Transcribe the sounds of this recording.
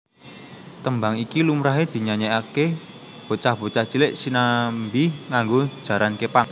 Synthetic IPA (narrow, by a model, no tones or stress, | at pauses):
t̪əmbaŋikilumɾaɦed̪̥i̤ɲaɲɛake | b̥o̤t͡ʃahb̥o̤t͡ʃaht͡ʃilɪʔsinambiŋaŋɡo̥ʒ̥a̤ɾankepaŋ